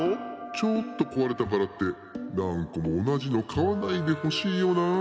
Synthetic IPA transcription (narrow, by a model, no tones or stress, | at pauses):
ot͡ɕot̪ːo̞ko̞βaɾe̞t̪akaɾat̪ːe̞ | nãŋkamo̞ːnaʑino̞kʰaβanaid̪e̞ho̞ɕiːjo̞naː